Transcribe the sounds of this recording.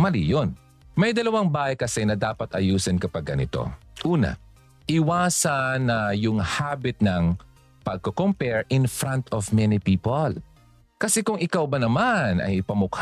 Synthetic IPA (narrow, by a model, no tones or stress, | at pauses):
mɐlḭjon | mɐjd̪ɐlɐwaŋbaːhɐjkɐsɛnɐd̪aːpɐt̪ʔɐjuːsɪnkɐpɐɡɐnɪt̪o̞̰ʔuːnɐ̰ | ʔɪwaːsɐnːɐjʊŋhabɪt̪̚nɐŋ | pɐɡ̚kokompɛɹʔɪnfɹant̪ʰɔvmɛnɪpiːpol | kɐsɛkʊŋɪkawbɐnɐmanʔɐ̰jpɐmʊkh